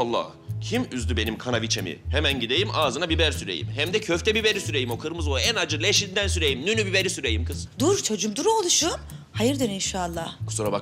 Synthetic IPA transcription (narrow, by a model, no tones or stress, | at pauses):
alˠːa̰ | cʰimyzlʲybe̞nimkʰanavit͡ʃʰe̞mḭhemænɟid̪ejimʔaːzɯnabibæɾsyɾḛjḭmɦæmd̪ɛcʰøft̪ʰɛbibeɾisyɾejimo̞kʰɯɾmɯzoænad͡ʒɯɾlˠeʃind̪ænsyɾejimnynybibeɾisyɾejimkʰɯz̥d̪uɾt͡ʃʰo̞d͡ʒumd̪uɾolˠuʃun | hajɯɾd̪ɯɾinʃaːlˠːahkʰu̥suɾaba